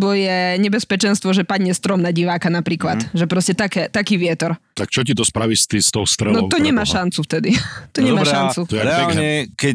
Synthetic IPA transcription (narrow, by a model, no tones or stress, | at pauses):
bɔjɛɲɛbɛspɛt͡ʃɛnst̪ʋɔʒɛpad̪ɲɛst̪ɾɔmnaɟiʋaːkanapɾiːklat̪ʒɛpɾɔscɛt̪akɛːt̪akiːʋɪɛt̪ɔɾt̪akt͡ʃɔcit̪ɔspɾaʋiʃst̪ist̪ɔʊst̪ɾɛnɔt̪ɔɲɛmaːʃant͡suft̪ɛd̪it̪ɔɲɛmaʃannt͡suɔɾɛaɛlɲɛkɛ